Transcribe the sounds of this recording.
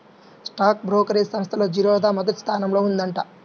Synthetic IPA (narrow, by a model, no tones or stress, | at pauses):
sʈaːk̚bɾoːkɐɾeːsɐmst̪ʰɐloːd͡ʒiɾɔːd̪aːmɐd̪ɐt̪st̪ʰaːnɐmlo̞ːund̪ɐɳʈa